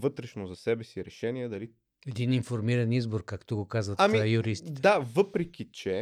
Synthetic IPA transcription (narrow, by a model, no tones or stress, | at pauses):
vɤt̪ɾɛʃnozɐsɛbɛsiɾɛʃɛniɛd̪ɐli | ɛd̪ininfoɾmiɾɐnizboɾkakt̪oɡokazvɐt̪amijuɾisd̪avɤpɾɛk̟ʲit͡ʃɛ